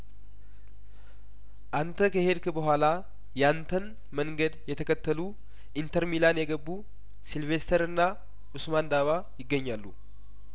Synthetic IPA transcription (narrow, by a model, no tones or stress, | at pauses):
ʔant̪ʰəkʰəhed̪kɨbəɦʷala | jɛant̪ʰən | məŋɡəd̪jɛt̪ʰəkʰət̪ːəlu | ʔint̪ʰəɾmilanjɛɡəbːu | silve̞st̪ʰəɾɨnːa | ʔusmand̪aβa | jɪɡːəɲːalːu